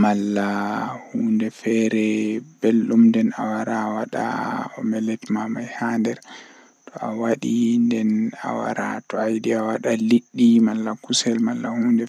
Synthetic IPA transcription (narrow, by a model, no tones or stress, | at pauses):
malːahuːndɛfɛɾɛbelɗumndɛnawaɾawaɗa̰ɔ̰mɛlɛtmamajhandɛɾ | tʰɔawaɗindɛna̰wa̰ɾa̰tɔajdiawaɗaliɗːimalːakusɛlmalːahuːndɛ